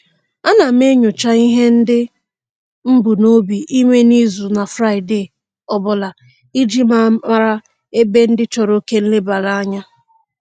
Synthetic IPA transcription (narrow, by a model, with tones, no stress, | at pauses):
a˦na˨m̩˦e˦ɲʊ˨t͡ʃa˦i˦ɦe˦n̩˦dɪ˦ | m̩˦bu˨no˦bi˨i˦me˦ni˦zu˨na˨fɾa˦˨ɪ˨de˨ | ɔ˨bʊ˨la˨ | i˦d͡ʒi˦ma˦ma˦ɾa˦ | e˦be˦n̩˦dɪ˦t͡ʃɔ˨ɾo˦ke˦n̩˦lɪ˦ba˨la˦a˦ɲa˦